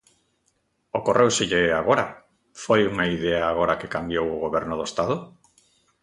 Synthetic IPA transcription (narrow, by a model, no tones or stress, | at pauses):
okorʔewseʎeaɣ̞oɾa | fojuŋaiðeaːɣ̞oɾakekambjowoɣoβɛɾnoðoest̪aðo